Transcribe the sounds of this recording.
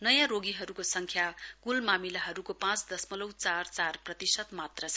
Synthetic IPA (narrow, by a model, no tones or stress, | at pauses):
nʌjãɾoɡiɦʌɾukosʌŋkʰjakulmamilaɦʌɾukopãt͡sd̪ʌsmʌlʌwt͡sart͡sarprʌt̪isʌt̪mat̪rʌt͡sʰ